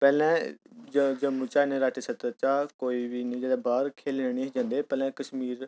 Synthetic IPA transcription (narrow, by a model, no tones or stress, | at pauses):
pɛːlɛ̃ːd͡ʒəd͡ʒəmut͡ʃaːnẽɾaːʈʰisət̪ət͡ʃaːkoːiːbiːnĩːd͡ʒeːd̪ãbaːɾkʰeːlənĩːɦed͡ʒãːnd̪eːpɛːlɛ̃ːkəʃmiːɾ